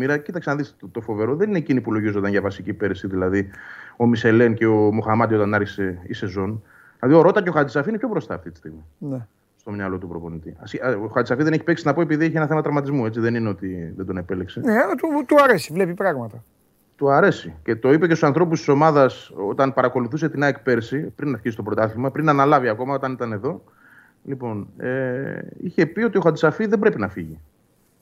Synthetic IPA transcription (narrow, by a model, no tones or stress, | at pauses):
miɾɐcit̪ɐkseɐnðist̪o̞fo̞ve̞ɾo̞ðe̞nineːcinipulo̞ʝizond̪ɐnʝɐvɐsicipe̞ɾisiðilɐðio̞mise̞lence̞omoxɐmɐd̪io̞t̪ɐnɐɾçise̞ise̞zo̞n | ɐðioɾo̞t̪ɐceo̞xɐd̪isɐfiinepʰço̞bɾo̞st̪ɐːft̪it̪i̥st̪iɣmine | st̪o̞mɲɐlo̞t̪upɾo̞po̞nit̪iɐsoxɐt͡s̪isɐfiðeneçi̥pe̞ksinɐpo̞e̞piðieçienɐθe̞mɐt̪ɾɐvmɐt̪izmue̞t͡siðe̞nineot̪iðed̪o̞nepelekseneɐt̪ut̪uɐɾesivle̞pipɾɐɣmɐt̪ɐ | t̪uɐɾe̞sice̞t̪o̞ipecst̪sɐnθɾo̞p̬ust̪i̥so̞mɐðɐso̞t̪ɐnpɐɾɐko̞luθuse̞t̪inɐekpe̞ɾsipɾinɐfçisi̥t̪opɾot̪ɐθimɐpɾinɐnɐlɐviɐko̞mɐo̞t̪ɐnit̪ɐne̞ðo̞ | lipo̞neiçe̞pio̞t̪io̞xɐd̪isɐfiðebɾe̞pinɐfiʝi